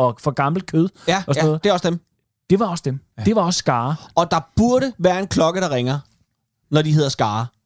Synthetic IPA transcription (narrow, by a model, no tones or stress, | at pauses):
ɒ̽fɒ̽ɡ̥ɑ̈ml̩kʰøð̞ˠɒsnɔð̩d̥ˠe̝ɒ̽sd̥em | d̥e̝ʋɑ̈ɒ̽sd̥emd̥e̝ʋɑ̈ɒ̽sːɡ̥ɑ̈ːɒ̽d̥ɑ̈b̥uɐɾəʋæːɐe̝nkʰlɒ̽ɡ̥əɾ̥ɑ̈ʁeŋɐ | nɒdiɦe̝ð̞ˠɐsɡ̥ɑ̈ː